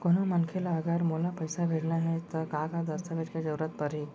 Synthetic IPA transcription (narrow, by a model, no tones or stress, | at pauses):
koɽ̃amənkʰelaːɡəɾmolapəjsabʱeɽɳaɦet̪əkakad̪əɾt̪ʰabʱeʈkad͡ʑəwɾat̪̚pəɾi